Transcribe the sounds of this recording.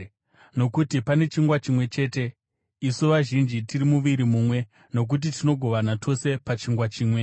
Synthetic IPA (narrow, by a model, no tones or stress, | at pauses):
no̞kutipane̞t͡ʃiŋɡwat͡ʃimwe̞t͡ʃe̞ːte̞ | isuʋaʒind͡ʒitirimuʋiɾimuːmwe̞ | no̞k̬ut̬itino̞ɡʱo̞ʋanatʰo̞se̞pat͡ʃiŋɡwat͡ʃiːmwe̞